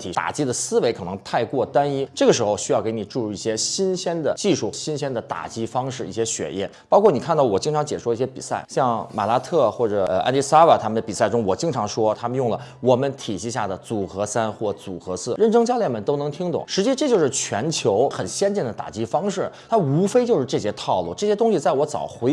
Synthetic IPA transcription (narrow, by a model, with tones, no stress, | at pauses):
t̪ʰi˨˩t̪a̰˨˩t͡ɕi˥d̪ə˨sɹ̩˥we˧˥ɪkʰɤ˨˩nɤ˧˥ŋt̪ʰa˥˧ɪkwɔ˥˩t̪a˥ni˥ʈ͡ʂɤ˥˩ɡə˩ʂ̬ɻ̩˧˥xo˧ʊɕy˥jɑ˥˩ʊke˧˥ɪni˨˩ʈ͡ʂu˥˧ɻu˥˧i˥˩ɕjɛ˥ɕi˥nɕjɛ˥nd̪ə˨t͡ɕi˥˧ʂu˥˩ɕi˥nɕjɛ˥nd̪ə˨t̪a̰˨˩t͡ɕi˥fɑ˥ŋʂɻ̩˥˧i˥˩ɕjɛ˥ɕɥɛ̰˨˩jɛ̰˥˩npɑ˥ʊkʰwɔ˥˩ni˨˩kʰa˥˧nt̪ɑ˥˩ʊwɔ˨˩t͡ɕi˥ŋʈ͡ʂʰɑ˧˥ŋt͡ɕjɛ˨˩ʂu˥˧i˥˩ɕjɛ˥pḭ˨˩sa˥˩ɪɕjɑ˥˧ŋma̰˨˩la˥t̪ʰɤ˥˩xwɔ˥˩ʈ͡ʂɤ˨˩˧a̰˥nt̪i˥sa˥ə˨˩t̪ʰa˥mə˨nd̪ə˩pi˨˩sa˥˩ɪʈ͡ʂʊ˥ŋwɔ˨˩t͡ɕi˥ŋʈ͡ʂʰɑ˧˥ŋʂwɔ˥t̪ʰa˥mə˨˧njʊ˥˩ŋlə˩wɔ˨˩mə˦nt̪ʰi˨˩ɕi˧˥˧ɕ̬ja˥˩d̪ə˩t͡su˨˩xɤ˧˥sa˥nxwɔ˥˩t͡su˨˩xɤ˧˥sɹ̩˥˩ɻə˥˩nʈ͡ʂɤ˥ŋt͡ɕjɑ˥ljɛ˥˩nmə˨˩nt̪o˥ʊnɤ˧˥ŋt̪ʰi˥ŋt̪ʊ̰˨˩˦ŋʂɻ̩˧˥t͡ɕi˧˥ʈ͡ʂɤ˥˧t͡ɕjo˥˧ʊʂɻ̩˥˩t͡ɕʰɥɛ˧˥nt͡ɕʰjo˧˥ʊxə˨˩nɕjɛ˥nt͡ɕɛ˥˩nd̪ə˩t̪a̰˨˩t͡ɕi˥fɑ˥ŋʂɻ̩˥˩t̪ʰa˥u˧˥fe˥ɪt͡ɕjʊʂɻ̩˥˧ʈ͡ʂɤ˥˩ɕɛ˥t̪ʰɑ˥˧ʊlṵ˥˩ʈ͡ʂɤ˥˩ɕjɛ˥t̪ʊ˥ŋɕi˨t͡sa˥˩ɪwɔ˧˥t͡sɑ̰˨˩ʊxwe˧˥ɪ